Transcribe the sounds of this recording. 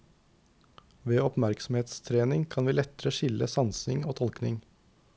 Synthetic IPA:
ʋeːɔpmæɾksɔmheːt̪st̪ʰɾeːnɪŋkʰɑnʋiːlɛt̪əɾəʃɪləsɑnsɪŋoːt̪ʰɔlknɪŋ

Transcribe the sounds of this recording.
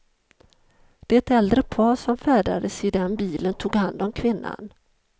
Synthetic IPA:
d̪̥ɛɛt̪ɛld̪ɾəpʰɑːʂɔmfæːɖa̰d̪əsɪd̪ɛnbiːlənt̪ʰuːɡhand̪ɔmkʰvɪnːa̰n

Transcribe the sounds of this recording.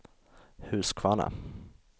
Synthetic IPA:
hʉ̟ːskʰvaːna̰

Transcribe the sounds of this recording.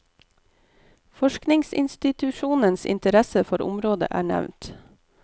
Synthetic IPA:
fɔʃknɪŋsɪ̰nst̪ɪt̪ʉʃuːnənsɪ̰nt̪əɾæsəfɔɾʊ̰mɾoːd̪ə̰ʔæːɳæ̰ʋnt̪

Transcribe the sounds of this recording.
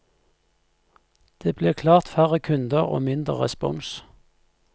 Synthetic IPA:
d̪̥eːbleːkʰlɑːʁt̪fæʁəkʰʉnd̪əʁo̰ːmɪnd̪ʁə̰ʁɛ̰spɔ̰ŋs

